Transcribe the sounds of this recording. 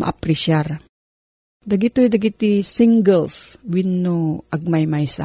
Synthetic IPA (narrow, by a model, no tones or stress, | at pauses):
ma̰priʃiar | daɡit̪uidaɡit̪isiŋɡəlswinːuʔaɡ̚majmaisa̰